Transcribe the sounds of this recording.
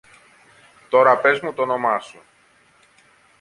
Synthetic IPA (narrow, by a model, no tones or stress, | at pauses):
t̪o̞ɾɐpe̞zmut̪ono̞mɐsu